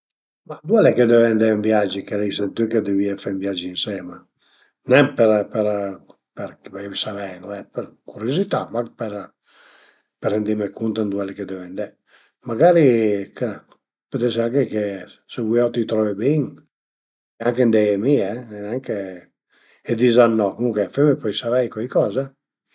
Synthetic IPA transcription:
mad̪uɛleked̪ɛvɛnd̪ɛmbjad͡ʒikelɛjsɛnt̪yked̪eviafambjad͡ʒiinsɛma | nɛmpɛɾpɛɾ | pɛɾkbaisavɛnuɛpɛɾkuɾjozit̪amakpɛɾ | peɾɛnd̪imekunt̪and̪uɛleked̪ɛvɛnd̪ɛ | maɡaɾikə | pøt̪ɛs̬eaŋkekeseɡiawt̪it̪ɾɔvebiŋ | aŋkend̪ɛjemiɛnaŋke | ed̪izanːɔkuŋkefɛmepɔjsavɛjkɔjkɔːzɛ

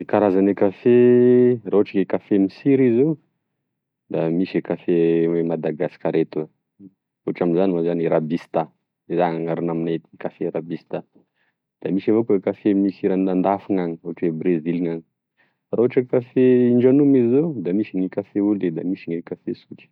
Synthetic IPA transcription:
kaɾazanikaferauaʈ͡ʂaɡekafemisiɾizew | d̪amisekafeemad̪aɡasi̥kaɾet̪ua | oaʈ͡ʂaminzaniwazaniɾabist̪a | ezaŋaŋaɾunaminaet̪ikafeɾabist̪a | d̪̥amisavokkafemisiɾanand̪afuŋaŋioaʈ͡ʂebɾezilŋaŋi̥ | rauaʈ͡ʂəkafeiɳɖ͡ʐanumizzod̪amisiŋikafeuled̪amisiŋekafesuki̥

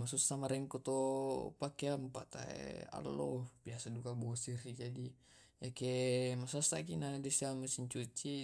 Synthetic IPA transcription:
masusamaɾɛŋkut̪opakeampat̪a̰ḛa̰lːɔb̥iasadukabɔsiɾid͡ʒadi | jakemasasakinadɛsiamusiɲt͡ʃut͡ʃi

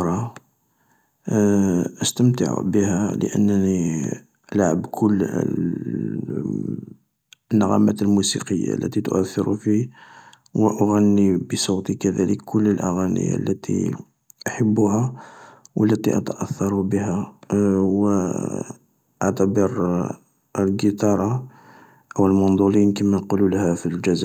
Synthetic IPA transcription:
ɾˤɑ | ʔəst̪əmt̪ə̰ʕṵbəhælə̰ʔə̰nːəni | ʔəlʕə̰bkʰʊlː | nːəɣæmæt̪əlmusḭqəjːa̰lːæ̰t̪it̪ʊʔæθːɪɾufi | wəʔʊɣænːibəsˤut̪ikæd̪æləkːʰʊlːəlʔaɣænə̰ja̰lːæt̪ḭ | ʔaħəbːuhæ | wʔəlːæt̪ḭʔɑ̰t̪əʔæθːɑɾˤubəɦæ | wə | ʔaʕt̪æbəɾ | əlɡət̪ɑɾˤɑ | ʔəwəlmʊnd̪ˤulinkimænqululəhæfild͡ʒæzæ

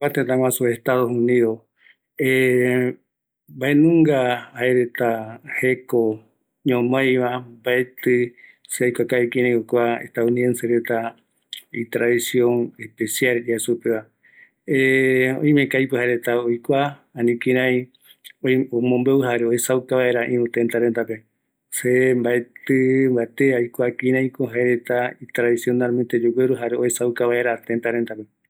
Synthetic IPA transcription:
at̪ẽt̪ãŋwãsoeht̪aðohunĩðo | e | baenũŋɡaaeɾet̪aheko | ɲõmõjβabaet̪ɨseajkʷakaβekĩɾãj̃okʷaḛht̪aunienseɾet̪a | it̪ɾaðisijõŋehpesjald͡ʒasupeβa | eo̰ĩmẽkajpɨɦaɾet̪aojkʷaanĩkĩɾ̃ãj̃ | oomõmbeuɦaɾeohesawkaβaeɾaʔĩmũt̪ent̪aɾent̪ape | sembaet̪ɨmbaet̪eajkʷakĩɾãj̃koɦaeɾet̪ait̪ɾaðisjo̞nalment̪ed͡ʒoɡeɾuɦaɾeohesawkaβaeɾat̪ent̪aɾent̪ape

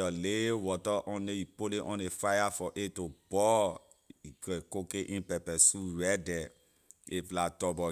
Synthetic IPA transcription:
ɔlewɔtɔʔɔ̃neipoleʔɔ̰̃nefajafɔʔetob̥ɔ | ikekokeʔĩpɛpɛsuɾɛdɛ | eflatɔbɔ

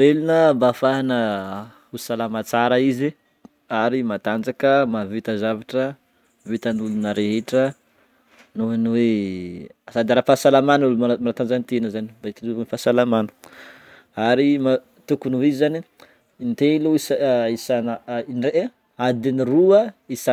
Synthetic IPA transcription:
velunəbafaɦanə | usalamat͡saɾəizi | aɾimat̪and͡ʒakəmavit̪azavaʈ͡ʂə | vit̪ənulunəɾeɦeʈ͡ʂə | nuanwe | asad̪aɾafasalamanulmamanat̪and͡zant̪enəzanid̪at̪iluvenfasalamanu̥ | aɾima | t̪ukunuizizani | nt̪eiluisisannre | ad̪iniruəisa

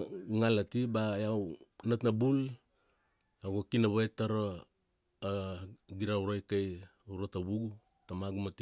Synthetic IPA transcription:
ŋalatibajawnatnabul | aɡokinaβajtaɾo | ɡiɾauɾajkaj | uɾotaβuɡu | tamaɡumati

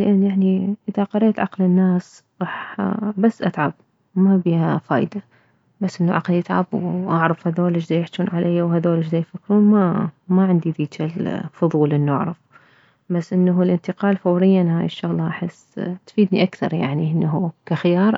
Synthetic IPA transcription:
lʔanːʔaʕniʔɪðaqɑɾeːt̪ʕɑqlɪnːaːs | ɣɑːħbasːʔat̪ʕab̚ | mabiːhafaːjd̪a | basːʔɪnːuʕa̰qljɪt̪ʕa̰bwʔaʕɾˤɑfhaðoːlɪd͡ʒzaːjɪħt͡ʃuːnʕalajːawɦaðoːlɪd͡ʒzajfakːɾuːnmamaʕɪnd̪id̪iːd͡ʒalfʊðˤuːlʔɪnːuʔa̰ʕɾˤɑf | basːʔɪnːalʔɪnt̪ɪqɑːlfawɾɪjːanhaːjɪʃːʊɣlɑʔaħɪsːt̪fiːd̪nḭʔakθɑ̰ɾˤja̰ʕniʔɪnːaɦukaxɪjɑːɾˤ

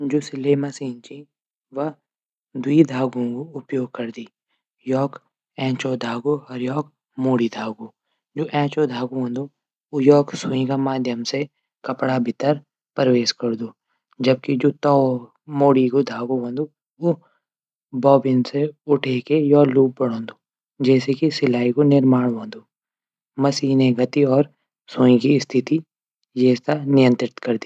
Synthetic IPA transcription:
d͡ʒoːsɪleːmasĩːnt͡ʃĩ | ʋɐ | d̪ʊid̪ʱaːɡõkoʊpjoːɡ̚kɐɾd̪iː | jɔːk | ɛ̃ːt͡ʃoːd̪ʱaːɡoɔːɾjɔːk | moːɽid̪ʱaːɡoː | d͡ʒoːʔɛ̃ːt͡ʃoːd̪ʱaːɡoɦə̃ːnd̪o | ojɔːksʊĩɡamaːd̪ʱjəmse | kɐpɽabʱɪt̪əɾ | pəɾʋeːskɐɾd̪oː | d͡ʒɐb̚kid͡ʒoːt̪ɔː | moːɽikod̪ʱaːɡoɦõːnd̪o | o | bɔːbɪnseʊʈʰeːkejɔːluːp̚bɐɽ̤õːnd̪oː | d͡ʒɛːsekisɪlaːikonɪɾmaːɽ̃ʋõːnd̪oː | mɐsiːɦneɡɐt̪iɔːɾ | sõːĩkist̪ʰɪt̪i | jeːst̪anɪjə̃nt̪ɾɪt̪kɐɾd̪iː

